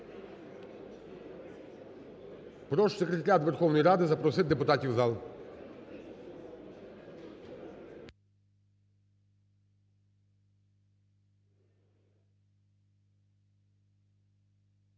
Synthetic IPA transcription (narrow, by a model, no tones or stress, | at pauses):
pɾɔʃsʲekɾʲet̪ɐɾʲat̪ʋerxɔwnɔjɾɑd̪ɪzɐpɾɔsɪt̪̚ʲd̪epʊt̪ɑtʲiwzɑlˠ